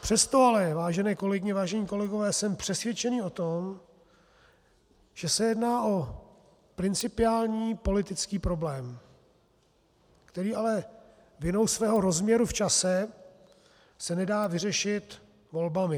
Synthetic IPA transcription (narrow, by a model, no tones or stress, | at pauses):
pr̝̥ɛst̪o̞alɛvaːʒɛnɛːko̞lɛɡɪɲɛvaːʒɛɲiːko̞lɛɡo̞vɛːsɛmpr̥ɛsvjɛt͡ʃɛniːo̞t̪om | ʒ̥ɛsɛjɛdnaːʔo̞ | pɾɪnt͡sɪpɪaːlɲiːpo̞lɪt̪ɪt͡skiːpɾo̞blɛːm | kt̪ɛɾiːalɛ | vɪno̞wsvɛːɦo̞ɾo̞zmɲɛɾuft͡ʃasɛ | sɛnɛdaːvɪrɛʃɪt̪ | vo̞lbamɪ